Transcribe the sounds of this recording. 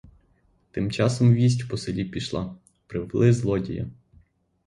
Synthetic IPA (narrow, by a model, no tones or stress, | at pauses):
t̪ɪmt͡ʃɑsɔmʋʲis̬ʲtʲpɔselʲipʲiʃlˠɑ | pɾɪʋlˠɪzlˠɔdʲḭjɐ̰